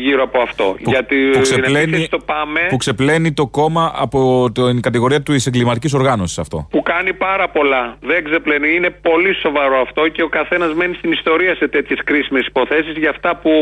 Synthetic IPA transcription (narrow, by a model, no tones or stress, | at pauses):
ʝiɾoɐpoɐft̪o̞̰ʝɐt̪ipuksenlenst̪opɐmepukse̞ple̞nit̪o̞ko̞mɐɐ̰pt̪kɐt̪iɣo̞ɾiɐt̪ise̞ŋɡlimɐt̪iciso̞ɾɣɐno̞si̥sɐft̪o̞̰pukɐnipɐɾɐpo̞lɐðeɡzepleniine̞po̞liso̞vɐɾo̞ɐft̪o̞ce̞o̞kɐθe̞nɐzme̞nist̪inist̪o̞ɾiɐse̞t̪et̪çe̞skɾisime̞si̥po̞θe̞sizʝɐːft̪ɐpu